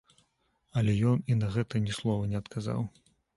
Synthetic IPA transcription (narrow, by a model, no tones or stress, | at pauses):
ɐlʲɛjɔninɐɣɛt̪ɐnʲɛslˠɔvɐnʲɛɐt̪kʰaza̰w